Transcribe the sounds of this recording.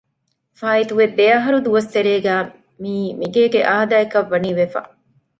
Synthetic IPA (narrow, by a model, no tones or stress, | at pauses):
faːit̪uʋebeɐɦɐɾud̪uʋɐst̪eɾeːɡæː | miːmiɡeːɡeʔaːd̪aːekɐʋːɐniːʋefɐ̰